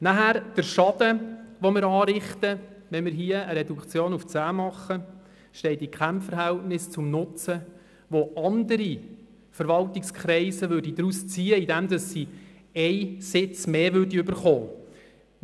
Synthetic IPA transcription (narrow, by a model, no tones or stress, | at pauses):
næɦæɾd̥əɾʃɑd̥̪əʋomɪɾɑːɾɪχt̪əʋɛnmɪɾɦiəəɾɛdukt͡sjoːnuft͡sæːmɑχːə | ʃtɛɪtikʰχæmfəɾɦæltnɪst͡sʊmnʊt͡sə | ʋoʔɑnd̪əɾi | fəɾʋɑltɪkskχɾɛɪsəʋʏːɾdid̥̪ɾust͡siːəidɛmd̪ɑsːi | ɛɪsɪt͡smeːʋʏrdiøbəɾχoː